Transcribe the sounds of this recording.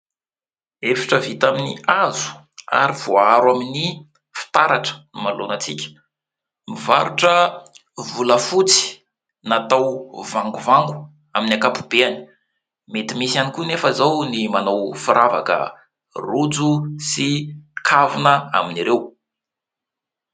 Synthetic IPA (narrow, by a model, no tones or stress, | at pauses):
efi̥ʈ͡ʂəvit̪aminiazu̥ | a̰ɾiv̥oaɾwamini | fi̥t̪aɾaʈ͡ʂə̥nmalonət͡sikʲə̥ | mivaɾuʈ͡ʂə | vuləfut͡si̥ | nat̪awvaŋɡuvaŋɡu̥ | aminakapu̥b̥eani̥ | met̪imisanikunefəizawnimanawfiɾʔava̰kə̰ | rud͡zusikʰavunəa̰miniɾew